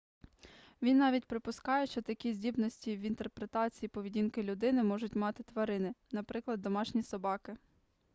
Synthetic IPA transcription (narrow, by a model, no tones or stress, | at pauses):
ʋʲinːɑʋʲitʲpɾɪpʊskɑjɛʃt͡ʃɔt̪ɐkʲizʲdʲibnɔsʲtʲiʋint̪erpɾet̪ɑt͡sʲijipɔʋʲidʲinkɪlʲʊd̪ɪnɪmɔʒʊtʲmɑt̪ɪt̪ʋɐɾɪnɪnɐpɾɪklˠɐd̪ːɔmɑʃnʲisɔbɑkɪ